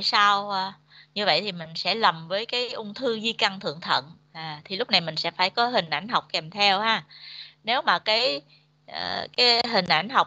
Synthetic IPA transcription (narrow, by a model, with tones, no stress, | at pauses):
a˧˨jsa˧w | ɲɨ˧və̰˧˨jt̪ʰi˨˩mï˨˩ŋ̟sɛ̰˧˥lə˨˩mvəː˨˦jkaː˨˦jʔʊ˧ŋ͡mt̪ʰɨ˧zi˧ka˧ŋt̪ʰɨ̰˧˨əŋt̪ʰə̰˧˨n | ʔaː˨˩t̪ʰi˨˩lʊ˦˥k͡p̚na˨˩jmï˨˩ŋ̟sɛ̰˧˥faː˧˩jkɔ˨˦ɦï˨˩ŋ̟ʔa˧˩jŋ̟ɦa˨˩wk͡p̚kɛ˨˩mt̪ʰɛ˧whaː˧˩ne˨˦wmaː˨˩kaː˨˦j | ʔəː˨˩kaː˨˦jɦï˨˩ŋ̟ʔa˧˩jŋ̟ɦa˨˩wk͡p̚